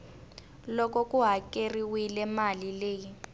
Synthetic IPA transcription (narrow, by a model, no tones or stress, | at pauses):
lɔkɔkʼuɦakeriwilɛmalileːji